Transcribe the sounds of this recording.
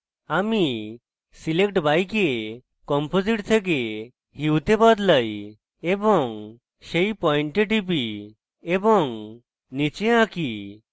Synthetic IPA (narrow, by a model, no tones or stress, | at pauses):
ami | silek̚ʈbajke | kɔmpod͡ziʈt̪ʰeɡe | hiwt̪ebɔd̪ləj | ebɔŋ | ɕejpɔiɳʈeʈipi | ebɔŋ | nit͡ɕeãki